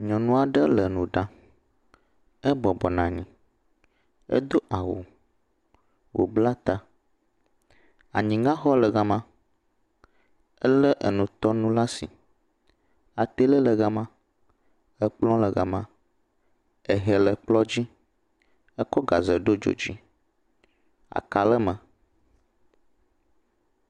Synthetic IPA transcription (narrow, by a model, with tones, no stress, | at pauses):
ɲɔ̃˨nũ˦a˨ɖə˦lə˨nũ˨ɖã˦ | ɛ˦bɔ˨bɔ˨nã˨ɲĩ˨ | ɛ̰˦d̪o˦ʔa˨wo˨ | wo̰˨bla˦t̪a˦ | a̰˨ɲĩ˨ŋã˦xɔ˦lə˨ɣa˨mã˦ | ə˦lə˦ʔə̰˨nũ˨t̪ɔ˦nũ˦la˦si˨ | a˨t̪e˦lə˦lə˨ɣa˨mã˦ | ə˦k͡plɔ̃˦lə˨ɣa˨mã˦ | ɛ˨ɦɛ˨lə˨k͡plɔ˦d͡ʑi˦ | ɛ˦kɔ˦ɡa˨zə˨ɖo˦d͡ʒo̰˨d͡ʑi˦ | a̰˨ka˨lə˦mə̃˨